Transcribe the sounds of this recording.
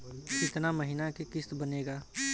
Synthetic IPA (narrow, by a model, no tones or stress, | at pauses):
ɪt̪naməɦɪnakekɪst̪bəneːɡaː